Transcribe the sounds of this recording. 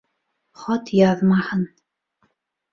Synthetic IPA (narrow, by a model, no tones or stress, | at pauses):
χɔt̪ʰjaːðmaħən